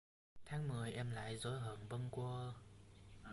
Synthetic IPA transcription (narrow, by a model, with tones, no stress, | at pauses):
t̪ʰaː˨˦ŋmɨ˨˩əjʔɛ˧mla̰ː˧˨jzo˨˦jɦəː˧˩ŋvə˧nkwə˧